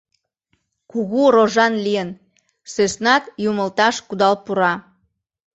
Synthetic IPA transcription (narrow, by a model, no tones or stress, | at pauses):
kuɣuɾoʒɑnlijən | søsnɑt̪juməlt̪ɑʃkud̪ɑlpuɾɑ